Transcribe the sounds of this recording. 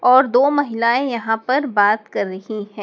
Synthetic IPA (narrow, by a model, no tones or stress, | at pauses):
ɔːɾd̪oːmɐɦɪlaːẽjɐɦãpɐɾbaːt̪kɐɾːɐhiɦɛ̃ː